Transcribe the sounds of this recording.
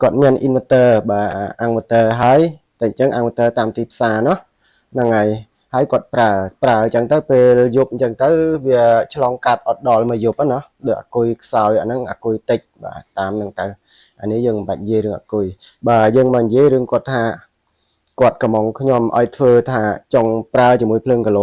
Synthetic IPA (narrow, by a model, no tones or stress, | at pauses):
kŏət̪̚miənʔinʋət̪əːɓaːʔaŋʋət̪əːɦaəj | t̪aɲt͡ɕəŋʔa̰ːŋwət̪əːt̪aːmt̪iːpʰsaːnʊ̆əh | nɨŋʔaj | haəjkŏət̪̚praəpraət͡ɕəŋt̪əwpeːljup̚ɲt͡ɕəŋt̪əwʋiət͡ɕʰlɑːŋkat̪̚ʔɑt̪̚ɗɑlməjup̚ʔənʊəhɗoʔa̰ːkujkʰsaɔjʔanɨŋʔa̰ːkʊjt̪ɨc̚ɓa̰ːt̪aːmnɨŋt̪əw | ʔanihjəːŋmmɓac̚ɲjiəjrɨəŋʔa̰ːkʊj | ɓaːjəːŋmaːɲjiəjrɨəŋkŏət̪ʰːaː | kŏət̪̚kɑmɔŋkʰɲomʔa̰ɔjt̪ʰʋəːt̪ʰaːt͡ɕoŋpraət͡ɕiəmuəjpʰləːŋkəloː